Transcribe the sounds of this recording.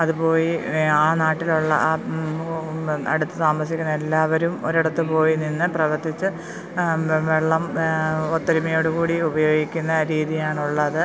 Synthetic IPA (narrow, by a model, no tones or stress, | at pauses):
ɐðupo̞ːjiaːnaːʈːiluɭːɐ̰ʔ | ɐ̰ɽut̪ːɨt̪aːmɐs̬ikʲːunːɐe̞lːaːʋɐɾumoɾiɽɐt̪ːɨpo̞ːjininːɨprɐʋɐrt̪ʰːit͡ɕːɨ | ʋeɭːɐmot̪ːɐɾimɐjo̞ːɽukuːɽiubɐjo̞ːɡikʲːunːɐɾiːðijaːɳuɭːɐðɨ